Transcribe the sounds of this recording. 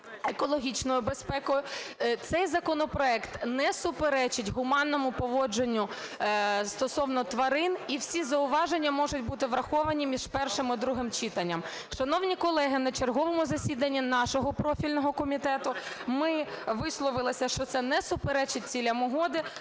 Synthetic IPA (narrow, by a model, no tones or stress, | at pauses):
ekɔlˠɔɦʲit͡ʃnɔjʊbespɛkɔjʊt̪sɛjzɐkɔnɔpɾɔɛkt̪nɛsʊpeɾɛt͡ʃɪtʲɦʊmɑnːɔmʊpɔʋɔd͡ʒenʲːʊ | st̪ɔsɔwnɔt̪ʋɐɾɪniwsʲizɐʊʋɑʒenʲːɐmɔʒʊtʲbut̪ɪʋɾɐxɔʋɐnʲimʲiʒpɛrʃɪmɪd̪ɾuɦɪmt͡ʃit̪ɐnʲːɐm | ʃɐnɔwnʲikɔlˠɛɦɪnɐt͡ʃerɦɔʋɔmʊzɐsʲid̪ɐnʲːinɑʃɔɦɔpɾɔfʲilʲnɔɦɔkɔmʲit̪ɛt̪ʊmɪʋɪslˠɔʋɪlˠɪsʲɐʃt͡ʃɔt̪sɛnɛsʊpeɾɛt͡ʃɪt̚ʲt͡sʲilʲɐmʊɦɔd̪ɪ